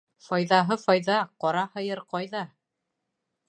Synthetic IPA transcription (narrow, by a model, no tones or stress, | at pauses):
fɒjðɑɦɤfɒjðɑqɒɾɑhɤ̆jɤɾqɑjðɑ